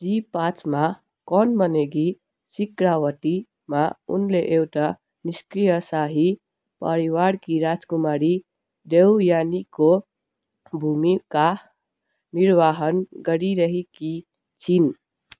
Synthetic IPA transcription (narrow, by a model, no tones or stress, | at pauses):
d͡ʒipat͡ʃma | kɔnbəneɡi | sikɾawəʈi | maṵnleʔewʈa | niskɾijəsaɦi | pəɾiwaɽkiɾad͡zkumaɽi | d̪ewjaniko | bʱumika | niɾʋaɦənɡəɾiɾəɦiki | t͡ʃʰin